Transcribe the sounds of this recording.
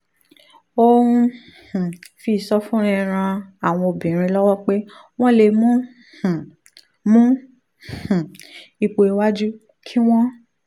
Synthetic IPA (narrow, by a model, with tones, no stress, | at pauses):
o˦˧ũ˧˨ | fi˨sɔ˦fũ˦ɾ̃ĩ˧ɾ̃ã˧a˨w̃ɔ̃˧o˨bĩ˨ɾ̃ĩ˧lɔ˦wɔ˦k͡pe˦ | w̃ɔ̃˦le˧mũ˦˨ | mũ˦˨ | i˧k͡po˧i˧˦wa˦d͡ʒu˦ | kʰi˦w̃ɔ̃˦